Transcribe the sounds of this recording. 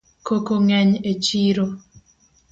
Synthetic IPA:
kokoŋɛɲet͡ʃiɾo

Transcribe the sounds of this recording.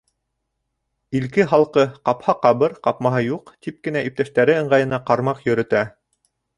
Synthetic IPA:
ilkɘɦɑlˠqɤqɑphɑqɑβɤɾqɑpmɑɦɤjuqt̪ip̚kɘ̆næʔip̚t̪æʃt̪æɾɘɤ̆ɴɢɑjɤ̆nɑqɑɾmɑqjɵ̆ɾɵ̆t̪æ

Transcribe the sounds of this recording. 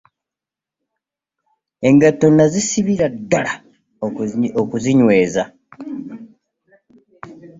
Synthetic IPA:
e̞ŋɡatonazisiβiɾadːala | okuziɲwe̞ːza

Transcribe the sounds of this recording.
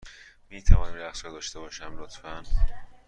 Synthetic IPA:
miːt̪ʰævɒːnimlæxsɒːd̪ɒːʃt̪e̞bɒːʃæmlot̪fæn

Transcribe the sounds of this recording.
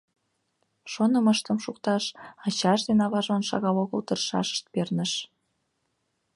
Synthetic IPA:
ʃonə̆məʃt̪ə̆mʃukt̪ɑʃɑt͡ɕɑʃd̪enɑβɑʒonʃɑ̰ɣɑloɣəlt̪ərʃɑ̰ʃə̥ʃt̪̚pernə̆ʃ

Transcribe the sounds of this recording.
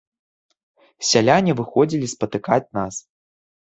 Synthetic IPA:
sʲalʲanʲivɨxɔd͡zʲilʲispɐt̪ɨkat͡sʲnas

